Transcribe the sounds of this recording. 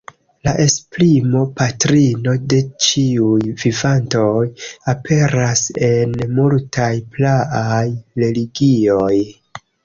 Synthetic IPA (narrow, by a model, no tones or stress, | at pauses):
laʔe̞splimo̞patɾino̞de̞t͡ʃiujvivanto̞japʰe̞ɾase̞nmultʰajplaajɾe̞liɡio̞j